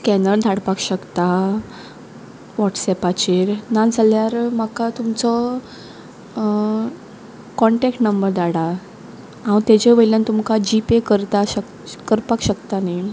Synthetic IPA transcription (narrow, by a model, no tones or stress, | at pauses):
kɛnəld̪ʱaɽpakɕəkt̪a | ʋɔʈsɛpat͡ɕiɾnad͡zʱaljaɾmakat̪umt͡sɔ | kɔɳʈɛkʈnəmbəɾd̪aɽa | ɦãwt̪ed͡ʑeʋəjljãnt̪umkad͡ʑipekəɾt̪aɕə | kəɾpakɕəkt̪anaj